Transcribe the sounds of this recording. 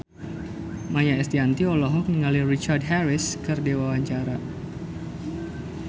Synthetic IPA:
maɲaɛst̪iant̪iɔlɔɦɔk̚niŋalirit͡ʃard̚ɦɛɾɪskɨrdewawaɲt͡ʃaɾa

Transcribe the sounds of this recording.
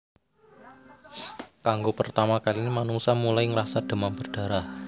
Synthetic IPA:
kaŋɡopərt̪amakalinemanuŋsamulaiŋəɾasad̪̥ə̤mamb̥ərɖ̥a̤ɾah

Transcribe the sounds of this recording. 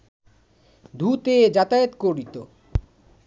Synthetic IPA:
d̪ʱut̪ed͡ʑat̪aet̪koɾit̪o

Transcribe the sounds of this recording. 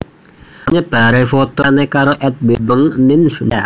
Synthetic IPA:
ɲəb̥aɾafot̪ɔnɛkaɾoʔɛt̪̚bebəŋnɪnsda

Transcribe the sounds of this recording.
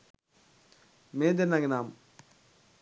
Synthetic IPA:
meːd̪enaɡnaːm

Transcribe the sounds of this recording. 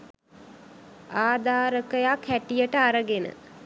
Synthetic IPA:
aːd̪aːɾəkəjakʰːæʈijəʈəaɾəɡenə̰

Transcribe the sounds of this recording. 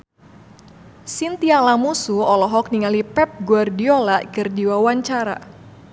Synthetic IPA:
sint̪ialamusuɔlɔɦɔk̚niŋalipɛp̚ɡuardiolakɨrdiwawaɲt͡ʃaɾa̰

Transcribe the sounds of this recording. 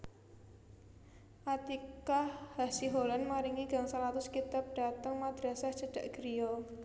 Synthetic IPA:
ʔat̪ikahhasiɦolanmaɾiŋiɡa̤ŋsalat̪ʊskit̪ap̚ɖ̥a̤t̪əŋmad̪̥ɾasahʒ̥ə̤ɖ̥a̤ʔɡ̥əɾijɔ

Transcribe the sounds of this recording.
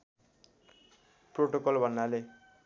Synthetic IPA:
proʈokʌlbʱʌnːale

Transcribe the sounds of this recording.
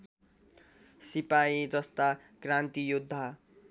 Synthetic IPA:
sipaid͡zʌst̪a | krant̪ijud̪ʱːa

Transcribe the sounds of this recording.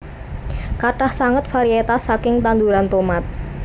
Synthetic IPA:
kaʈahsaŋət̪̚faɾiet̪asakɪŋt̪and̪uɾant̪omat̪̚

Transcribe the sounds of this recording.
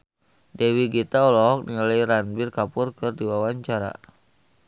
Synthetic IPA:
dɛwiɡit̪aɔlɔɦɔk̚niŋalajɾanbɪrkapʊrkɨrdiwawaɲt͡ʃaɾa̰

